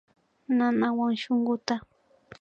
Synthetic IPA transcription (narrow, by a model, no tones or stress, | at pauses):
nanawaŋʃoŋɢʊt̪a